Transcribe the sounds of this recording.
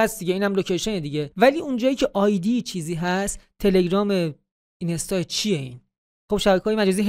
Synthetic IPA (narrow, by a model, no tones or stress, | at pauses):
æst̪d̪iɟeiːnhæmlocʰejʃoned̪iɟevæliːund͡ʒɒːjiːcʰe̞ʔɒːjd̪iːt͡ʃʰiːziːɦæst̪ʰːe̞le̞ɡɾɒːme̞ | inest̪ɒːet͡ʃʰijeiːn | xob̥ʃæbækʰeɒːjmæd͡ʒɒːziːɦ